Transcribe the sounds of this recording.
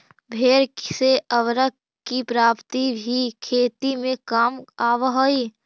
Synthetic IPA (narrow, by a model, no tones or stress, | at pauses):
bʱeːɾkseʔəʋɾək | kipɾaːpt̪ibʱikʰeːt̪imẽkamaːʋɦoi